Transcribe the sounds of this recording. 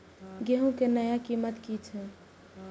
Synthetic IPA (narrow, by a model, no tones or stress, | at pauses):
ɡeɦũkenəjakimət̪kit͡ʃʰɛ